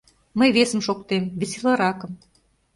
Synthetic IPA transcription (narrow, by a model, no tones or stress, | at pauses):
məjβesə̆mʃokt̪emβeseləɾɑkə̆m